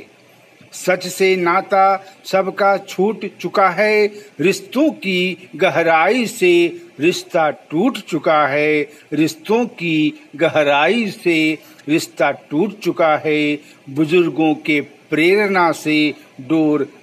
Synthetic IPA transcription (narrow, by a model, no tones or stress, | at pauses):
sɐt͡ʃsenaːt̪asɐbʱkat͡ʃʰuːʈt͡ʃʊkaɦɛːɾɪst̪õkiɡəɦɾaːiseɾɪʃt̪aʈuːʈt͡ʃʊkaɦɛː | ɾɪst̪õkiɡəɦɾaːise | ɾɪʃt̪aʈuːʈt͡ʃʊkaɦɛ | bʊd͡ʒʊɾɡõkepɾeːɾnaseɖoːɾ